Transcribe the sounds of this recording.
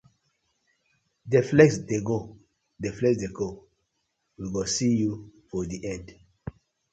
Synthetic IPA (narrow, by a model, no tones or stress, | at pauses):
deflɛsdeɡo | deflɛsdeɡo | wiɡosijufɔdiʔɛ̃nd